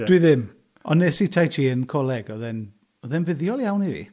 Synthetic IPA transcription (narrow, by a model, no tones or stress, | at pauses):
d̥wiðɪm | ɔnːesitʰajtʰiːənkʰɔlˠɛɡɔðɛn | ɔðɛnvɪðjɔlˠjawnivḭ